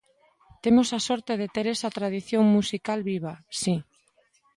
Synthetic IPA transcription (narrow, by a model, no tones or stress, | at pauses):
t̪emosasɔɾt̪eð̞et̪eɾesat̪ɾað̞iθjoŋmusikalβiβ̞asi